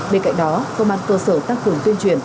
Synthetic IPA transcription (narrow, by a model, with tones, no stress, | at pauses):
ɓe˧nka̰˧˨ŋ̟ɗɔ˨˦kə˧wŋ͡mʔaː˧˨nkəː˧səː˧˩t̪a˧ŋkɨ˧˩əŋt̪i˧ənt͡ɕwi˧˩ən